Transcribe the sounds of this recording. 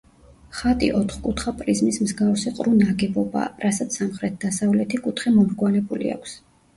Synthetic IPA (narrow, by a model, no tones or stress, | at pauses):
χat̪ʼḭʔɔt̪ʰχkʼut̪ʰχapʼɾizmismzɡafsiqʼɾunaɡɛbɔba̰ɾasat̪sʰsamχɾɛt̪̚d̪asavlɛt̪ʰikʼut̪ʰχɛmɔmɾɡwalɛbulḭa̰kʷʰs